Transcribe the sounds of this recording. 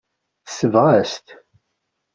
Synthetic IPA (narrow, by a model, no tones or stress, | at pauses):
θsəvʁæst̪